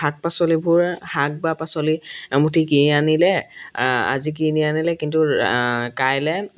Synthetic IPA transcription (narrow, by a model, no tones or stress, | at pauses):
hak̚pasɔlibʱuɹhak̚bapasɔlimutikinianilɛ | a̰zik̬inianilɛkintukajlɛ